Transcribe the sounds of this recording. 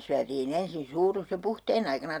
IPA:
syætiːn ensin suːrus jo puhteːn ɑikɑnɑ

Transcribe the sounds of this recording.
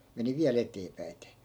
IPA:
meni ʋiæl eteːpæi̯te

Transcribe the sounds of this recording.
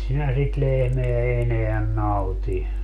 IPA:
sinæ sit lehmeæ eneæn nɑuti

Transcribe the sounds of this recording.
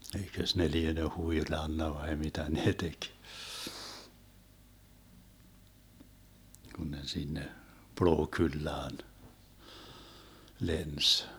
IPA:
eikøs ne liene huilɑnːɑ ʋɑi mitæ neː tek ɡ̊un ne sinːe ploːkylːɑːn lens

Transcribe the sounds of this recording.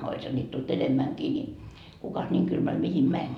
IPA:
oishɑ nʲiːt tult enemːæŋkiː ni kukɑs nʲiːŋ kylmæl mihim mænʲ

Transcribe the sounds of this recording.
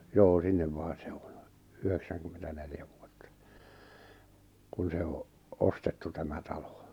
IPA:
joː sinːem mɑin̞ se on̥ yheksæŋkymːentæneljæ ʋuotːɑ kun se oʔ ostetːu tæmæ tɑlo

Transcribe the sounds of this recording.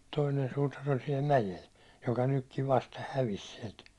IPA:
toinen suːtɑr olʲ siɛl mæjel jokɑ nykːiʋ ʋɑstɑ hæʋis siɛlt

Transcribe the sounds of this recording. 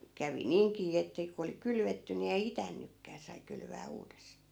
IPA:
kæʋi niːŋkiː etːæ ku oli kylʋetːy ni ei itænːykːæː sɑi kylʋæː uːdestɑː

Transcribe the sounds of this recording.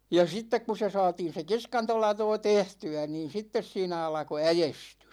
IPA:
jɑ sitːek ku se sɑːtin̞ se kiskɑntolɑtoː tehtyæ niːn̞ sitːes siːnæ ɑlɑ̆ko æjestys

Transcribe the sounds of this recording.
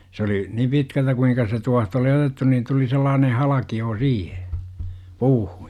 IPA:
s oli ni pitkæltæ kuiŋkɑ se tuɑht oli otetːu niːn tuli selːɑːnen̞ hɑlɑkioː siːhe puːhu̥j̊

